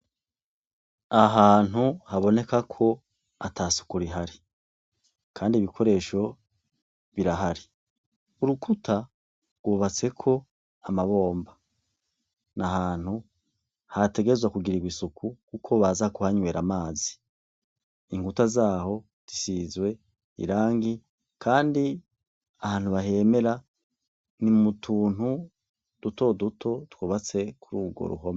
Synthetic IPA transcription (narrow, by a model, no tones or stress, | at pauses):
aɦaːn̥uhaβo̞ne̞kakʰo̞ | atʰaːsu̥kuɾiɦaɾi | kʰaːndiβikʰo̞ɾe̞ːʃo̞ | βiɾaɦaɾi | uɾukʰutʰa | ɡwoːβat͡se̞kʰo̞ | amaβo̞ːmba | naɦaːn̥hu | hate̞ɡe̞zwakuɡiɾiɡwisukʰukukʰo̞βazakuhaɲwe̞ːɾamaːzi̥ | iŋɡutazaːho̞ | z̥isizwe̞ | ḭɾaːŋɡi | kʰaːndi | ahaːn̥huβaɦe̞me̞ɾa | nimutʰuːn̥hu | d̥uto̞dutʰo̞twoːβat͡se̞kʰuɾuɡwo̰ɾṵɦo̞ma